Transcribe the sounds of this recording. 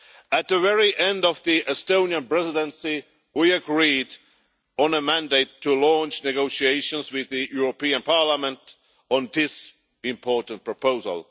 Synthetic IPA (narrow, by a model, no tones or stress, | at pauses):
ɨt̪̚ðəvɛɹiʔɛ̃ndʌvðiʔɛstõʊ̃njə̃npɹ̥ɛzɪdə̃nsi | wiɨɡɹid̃ | nəmæ̃ndeɪtʰːulɔ̃nt͡ʃnɨɡoʊʃieɪʃə̃nzwɪðɨjuɹəpĩɨ̃npʰɑɹləmə̃nt | ɔ̃n̩ðɪs | ɪ̃mpʰɔɹtn̩t̚pʰɹ̥əpʰoʊzə̰l̩ˠ